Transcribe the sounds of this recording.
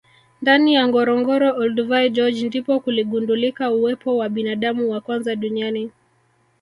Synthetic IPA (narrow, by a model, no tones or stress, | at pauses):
ndanijaŋɡɔɾɔŋɡɔɾɔʔɔlduvajd͡ʒɔd͡ʒndipɔkuliɠundulikauwɛpɔwaɓinaɗamuwakwanzaɗuniani